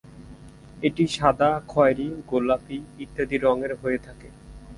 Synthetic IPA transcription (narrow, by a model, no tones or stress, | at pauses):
eʈiʃad̪akʰɔeɾiɡolːapiit̪ːad̪iɾɔŋeɾɦoet̪ʰake